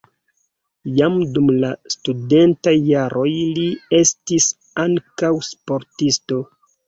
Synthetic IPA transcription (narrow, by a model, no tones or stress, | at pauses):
jamdumlastude̞ntajːaɾʔo̞jlie̞stis | aŋkawspo̞ɾtisto̞